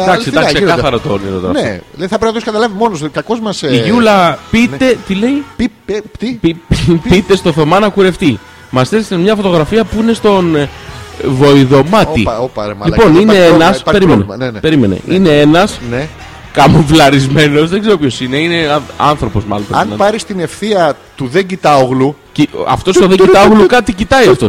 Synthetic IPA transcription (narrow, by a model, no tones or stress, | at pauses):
d̪ɐksid̪ɐssekɐθɐɾɐt̪oniðot̪eɾɐneolejθɐpɾeinɐt̪oskɐt̪ɐlɐvimo̞noskɐko̞zmɐsiʝulɐpit̪e̞t̪ile̞i | pipit̪e̞st̪oθo̞mɐnɐkuɾe̞ft̪i | mɐst̪eɾksemɲɐfo̞t̪o̞ɣɾɐfiɐpuine̞st̪o̞n | vo̞iðo̞mɐt̪ḭlipo̞nine̞enɐspeɾimenepe̞ɾime̞nḛʔine̞e̞nɐsn | kɐmuvlɐɾizme̞no̞zðe̞ɡze̞ɾopço̞sineine̞ɐɐnθɾo̞po̞zmɐ̰lonpɐnɐpɐɾist̪ine̞fθiɐt̪uðeɲɟit̪ɐoɣluciɐ̰ft̪o̞st̪oðe̞ɟit̪ɐoɣlukɐt̪icit̪ɐiɐft̪o̞s